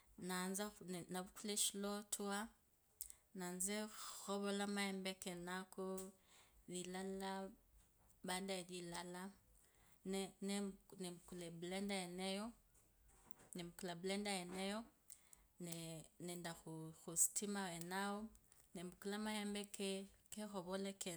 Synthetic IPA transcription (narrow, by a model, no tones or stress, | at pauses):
nanzanaβukulɛʃlɔtʰua | nanzɛxɔβɔlamajɛmbɛkɛnakɔ | βilala | bandaɛβilala | nnnɛmukulɛblɛndaɛnɛjɔ | nɛmukulablɛndajɛnɛjɔ | nɛnɛndaxuxusi̥tʰimawɛnaɔnɛmukulamajɛmbɛkɛkɛxɔβɔlɛkɛ